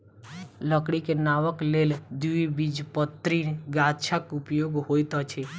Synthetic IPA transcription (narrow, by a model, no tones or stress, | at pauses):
ləkɽikenaʋəkleld̪uibid͡ʒpət̪ːɾinɡat̪t͡ʃʰakupjoɡɦojt̪ɔt͡ʃʰe